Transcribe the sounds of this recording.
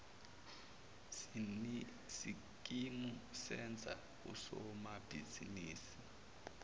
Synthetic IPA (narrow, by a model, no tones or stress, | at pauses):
si | kʼimusɛnd͡zʱa̰ | kṵsɔmab̥ʱiziniːsi̥